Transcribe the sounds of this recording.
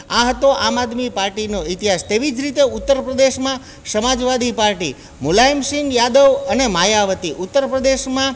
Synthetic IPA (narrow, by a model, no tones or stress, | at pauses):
aɦət̪oʔamad̪mipaɾʈinoɪt̪iɦast̪eʋid͡ʒɾit̪eʊt̪ːəɾpɾəd̪eʃmã | səmad͡ʒʋad̪ipaɾʈi | mulaimʃiŋɡjad̪əʋənemajaʋət̪iʔut̪ːəɾpɾəd̪eʃmã